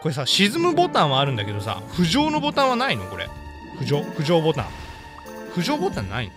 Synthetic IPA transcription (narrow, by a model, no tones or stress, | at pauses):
ko̞ɾe̞s̬aɕizɨmɯ̟bo̞t̪ãɰ̃βaːɾɯ̟nd̪ake̞d̪o̞sa̰ɸɯ̟ʑo̞ːno̞bo̞t̪ãɰ̃βanaino̞̰ko̞ɾḛ | ɸɯ̟ʑo̞ːɸɯ̟ʑo̞ːbo̞t̪ã̰ŋ | ɸɯ̟ʑo̞ːbo̞t̪ãnːa̰ḭn